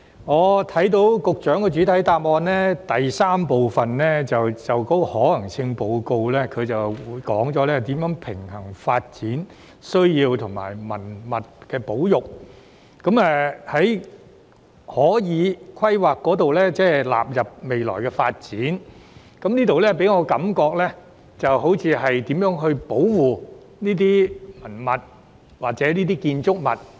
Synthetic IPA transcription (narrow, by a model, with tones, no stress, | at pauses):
ŋɔː˨˧t̪ʰɐ˨˥jt̪̬o˨˥wkʊ˨k̚t͡ʃœː˨˥ŋkɛ˧t͡ʃyː˨˥t̪ʰɐ˨˥jt̪aː˧p̚ɔː˧nɛː˥t̪ɐ˨jsaː˥mpo˨wfɐ˨nlɛː˥t͡sɐ˨wt͡sɐ˨˩wkt̪o˥hɔː˨˥lɐ˨˩ŋt͡sʰɪ˧ŋpo˨˧wko˧wlɛː˥kʰɵ˨˧ɥt͡sɐ˨wwuː˨˧jkɔː˨˥ŋt͡sɔː˨˥lɛː˥t̪iː˨˥mjœː˨˥ŋpʰɪ˨˩ŋhɐ˨˩ŋfaː˧t̚t͡siː˨˥n | sɵ˥ɥjiː˧wt̪ʰʊ˨˩ŋma̰ː˨˩jmɐ˨˩nmɐ˨t̚kɛː˧po˨˥wjʊ˨˩k̚ | kːɐ˨˥mɛ˨hɐ˨˥j | hɔː˨˥jiː˨˧˥kʰwɐ˥jwaː˨kːɔː˨˥t̪o˨wlɛː˥t͡sɛː˥la̰ː˨p̚jɐ˨p̚me˨jlɔ̰ː˨˩jkɛ˧faː˧t̚t͡siː˨˥n | kɐ˨˥mniː˥t̪o˨wlɛː˥pe˨˥jŋɔː˨˧kɐ˨˥mkɔː˧k̚lɛː˥ | t͡sɐ˨wɦo˨˥wt͡sʰiː˨˧ɦɐ˨jt̪iː˨˥mjœː˨˥ŋɦɵ˧ɥpo˨˥wwuː˨˩ | niː˥t̪̬iː˥mɐ˨˩nmɐ˨˩t̚ | waː˨k̚t͡sɛː˨˥niː˥t̪iː˥kiː˧nt͡sʊ˥k̚mɐ̰˨˩t̚